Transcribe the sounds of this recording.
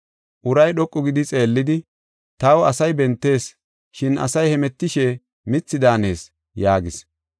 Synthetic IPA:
ʔʊɾɐjɗɔkʼːʊɡɪd̪ɪt͡sʼe̞ːlːɪd̪ɪ | t̪ɐwɐsɐjbɛnt̪ːe̞ːs | ʃɪnɐ̰sɐjhɛmɛt̪ːɪʃɛ | mɪt͡sːɪd̪aːne̞ːs | jaːɡɪs

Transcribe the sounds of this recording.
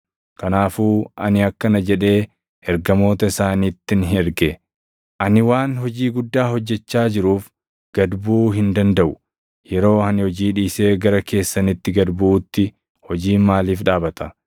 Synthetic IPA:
kɐnaːfuːʔɐ̰nɪɐkːɐnɐd͡ʒɛᶑe̞ː | ʔɛɾɡɐmo̞ːt̪ɐɪsaːniːt̪ːɪnɦɛɾɡe | ʔɐnɪwaːnɦɔd͡ʒiːɡʊd̪ːaːɦɔd͡ʒːɛt͡ʃːaːd͡ʒɪɾuːf | ɡ̥ɐd̪buːɦɪnd̪ɐnd̪ɐʔʊ | jɛɾo̞ːhɐnhɔd͡ʒiːᶑiːse̞ːɡɐɾɐkʰe̞ːsːɐnɪt̪ːɪɡɐd̪buːt̪ːɪ | hɔd͡ʒiːmaːliːfᶑaːbɐt̪ɐ

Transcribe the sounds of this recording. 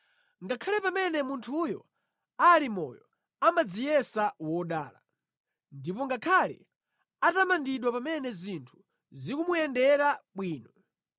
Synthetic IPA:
ŋɡakʰalɛpamɛnɛmuntʰujɔ̰ | alimɔ̰jɔ | amad͡zijɛsawɔɗa̰ːla̰ | ndipɔŋɡakʰalɛ̰ | atamandiɗwapamɛnɛzintʰu̥ | zikumujɛndɛɾaɓwiːnɔ

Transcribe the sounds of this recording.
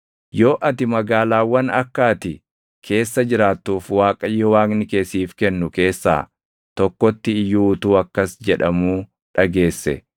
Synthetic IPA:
jo̞ːʔɐt̪ɪmɐɡaːlaːwːɐnɐkːaːt̪ɪ | kʰe̞ːsːɐd͡ʒɪɾaːt̪ːuːfwaːkʼɐjːɔwaːknɪkeːsiːfkɛnːʊke̞ːsːa̰ː | t̪ɔkːɔt̪ːɪːjːuːt̪uːɐkːɐsd͡ʒɛᶑɐmuː | ᶑɐɡe̞ːsːɛ̰

